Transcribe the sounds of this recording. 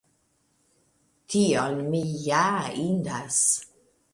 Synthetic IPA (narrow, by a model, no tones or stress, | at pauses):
tʰionmijaind̪as